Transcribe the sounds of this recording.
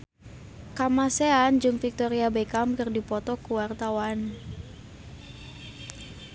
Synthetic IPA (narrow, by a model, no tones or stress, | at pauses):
kamaseand͡ʒɨŋfik̚t̪ɔɾiabekamkɨrdipɔt̪ɔkuwart̪awan